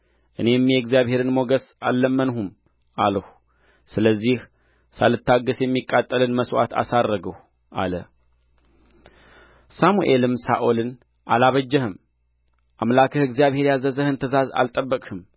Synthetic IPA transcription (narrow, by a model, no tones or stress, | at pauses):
ʔɨne̞mjɛɡzijaβhe̞ɾɨnmo̞ɡəsalːəmːənhum | ʔaləh | sɨləzːih | salɨt̪ːaɡəsjɛmːikʼːat̪ʼːəlɨnməswa̰t̪ʰa̰sarːəɡəh | ʔa̰lə | samuʔelɨmsa̰ʔolɨn | ʔalaβəd͡ʒːɛhɨm | ʔamlakʰəhɨɡzijaβhe̞ɾjazəzəhɨnt̪ʰəzaza̰lt̪ʼəbːəkʼhɨm